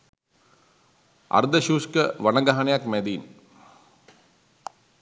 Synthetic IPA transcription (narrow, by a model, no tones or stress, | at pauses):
ɐ̰ɾd̪ɐɕuːskɐʋɐnɐɡɐɦɐɳjakmed̪iːn